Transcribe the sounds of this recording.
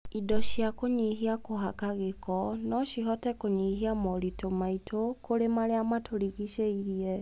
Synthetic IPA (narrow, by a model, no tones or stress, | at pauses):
idɔɕjakoɲiɦiakoɦakaɣekɔnɔʃiɦɔtɛkoɲiɦiamɔɾitomaitʰokoɾemaɾeamatoɾiɣiʃeiɾiɛ